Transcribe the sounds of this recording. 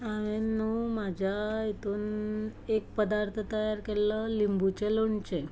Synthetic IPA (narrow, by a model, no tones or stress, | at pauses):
aʋenːuːmad͡ʑʱait̪ʰuːnek̚pəd̪aɾt̪ʰət̪əjaɾkeləlimbut͡ɕeloɳt͡ɕe